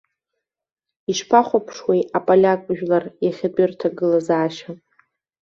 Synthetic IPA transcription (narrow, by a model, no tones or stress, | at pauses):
iʃpʰaχʷapʰʂwejapʼalʲakʼʒᶣlarjaχʲadʷʼɪrtʰaɡɨlazaːʃa